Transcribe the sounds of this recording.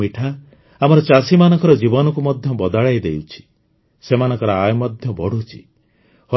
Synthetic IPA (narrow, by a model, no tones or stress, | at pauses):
iʈʰa | amɔɾɔt͡ʃasimanɔ̃ŋkɔɾɔd͡ʒibɔnɔkumɔd̪ʱjɔbɔd̪aɭajd̪ewt͡ʃʰi̥ | semanɔ̃ŋkɔɾɔajɔmɔd̪ʱjɔbɔɽ̤ut͡ʃʰi̥̰ | hɔ